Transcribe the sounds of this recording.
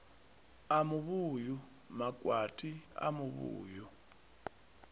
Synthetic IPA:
amuβuːju | makʼwatʼia̰muβṵːju

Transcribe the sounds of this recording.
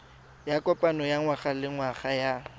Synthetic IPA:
jakʼɔpʼanɔjaŋwaχalɪŋwaχaja

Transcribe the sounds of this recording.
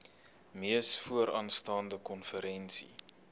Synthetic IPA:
miəsfuəɾɑːnstɑːndəkɔnfəɾɛnsḭ

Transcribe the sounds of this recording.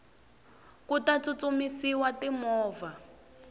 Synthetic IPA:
kutat͡sut͡sumisiwatimɔːva

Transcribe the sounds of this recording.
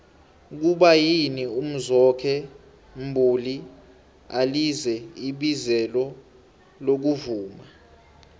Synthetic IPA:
k̬uɓajinium̩zɔkʰɛ | m̩bʱuli | alizɛiɓizɛlɔ | lok̬uvuːma

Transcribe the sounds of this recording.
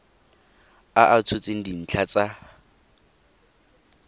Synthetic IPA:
aʔat͡sʰʊt͡sʼen̩din̩t͡ɬʰat͡sʼa

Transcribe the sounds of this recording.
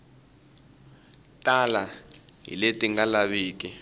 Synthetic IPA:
tʼalaɦḭletʼiŋɡalaβiːk̬ʼi

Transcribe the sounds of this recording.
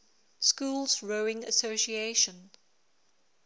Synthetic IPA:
skuːlˠzɹoʊɪ̃ŋə̰soʊʃieɪʃə̃n

